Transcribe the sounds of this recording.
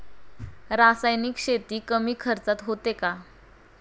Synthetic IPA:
ɾasajniːkɕet̪iːkəmiːkʰəɾt͡sat̪ɦot̪eka

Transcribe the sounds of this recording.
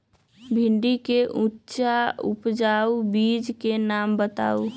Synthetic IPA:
bʱiɳɖikeʔutːʃaupd͡ʒaubid͡ʒkenambət̪a̰u

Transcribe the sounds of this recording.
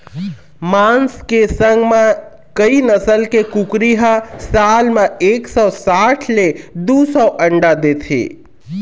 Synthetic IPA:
manskesəŋɡme | kəinəsəlkekukɾiɦəsalmeeksɔsaʈʰled̪usɔʔəɳɖad̪et̪ʰḛ

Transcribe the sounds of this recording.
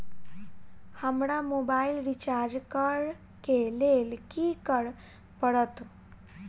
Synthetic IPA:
həmɽamobailɾit͡ɕaɾd͡ʑkəɽ | kelelkikəɽ | pəɽət̪

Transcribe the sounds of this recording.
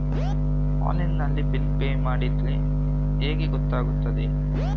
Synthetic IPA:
a̰ːlinːɐlːibilpeːjmaːɽit̪li | eːɡeɡɔt̪ːaːɡut̪ːɐd̪e

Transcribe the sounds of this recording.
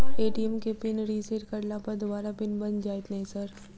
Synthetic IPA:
eːʈiemkepɪnɾiːseːʈkɐɽlãpɐɾd̪obaːɾapɪnbɐnd͡ʒaːet̪nɐɦĩsɐɾ

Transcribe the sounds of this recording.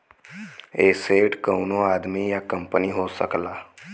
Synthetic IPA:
eːseːʈkəːnõaːd̪mijakə̃mpəniɦoːsə̰klaː

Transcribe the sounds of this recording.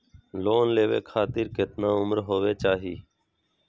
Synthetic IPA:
loːnleːʋḛːkʰaːt̪ɪɾkɪt̪naːʊmɾɦoːʋeːt͡ʃaːɦiː

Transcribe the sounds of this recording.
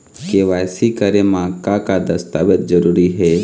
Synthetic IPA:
keʋasikəɾemãkãkad̪əst̪aːʋət̪̚d͡ʒəɾuːɾiɦe

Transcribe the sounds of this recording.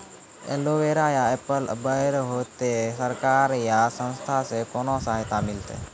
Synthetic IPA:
ḛːloːʋeːɾaːjaːeːpəlbəɪɾɦoːt̪eːsəɾkaːɾjaːsə̃nst̪ʰaːsekoːnõsaːɦɪt̪aːmɪlt̪ḛː

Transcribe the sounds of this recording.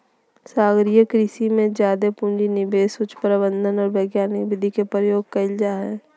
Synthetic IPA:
saːɡɾijəkɾiːsimẽd͡ʒjaːd̪epʊ̃nd͡ʒinɪbeːsʊt͡ʃʰpəɾɪbə̃nd̪ʱənɔːɾbeːɡjaːniʋɪd̪ʱikepɾəjoːɡ̚kɐɪld͡ʒaːɦɛ̰ː

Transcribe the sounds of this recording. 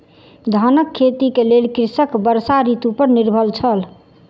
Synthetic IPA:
d̪ʱanəkʰːet̪ikelelkɾisəkbəɾsaɾit̪upəɾniɾbʱəlt͡ʃʰəl

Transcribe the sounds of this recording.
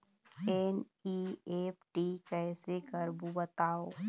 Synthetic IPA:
en | iːeːpʈiːkɛːsekəɾbubət̪aːoː

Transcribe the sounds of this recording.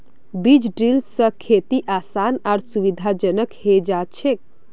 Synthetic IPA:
bid͡ʒɖɾilsəkʰeːt̪iʔaːsaːnaːɾsuʋid̪ʱad͡ʒənəkhed͡ʒaːt͡ʃʰek̚

